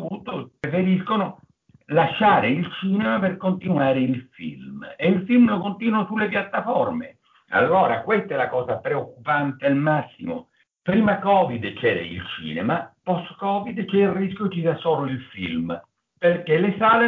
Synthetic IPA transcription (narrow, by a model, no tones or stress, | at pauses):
vut̪ːopɾefeɾiskonʊ | laʃːaːɾɪilt͡ʃiːnemaperkont̪inuwaːɾɪilfḭlmeilfilmlokont̪iːnwasulːepjat̪ːafɔrmḛ | a̰lːɔːɾakwest̪ɛlakɔːzapɾeokːupant̪ealmasːḭmʊ̰ | pɾiːmakɔːvid̪t͡ʃɛːɾa̰ḭlt͡ʃḭːnɛ̰mapɔst̪kɔːvid̪t͡ʃɛilriskjokisasɔːloilfḭlm | perkelɪsaːle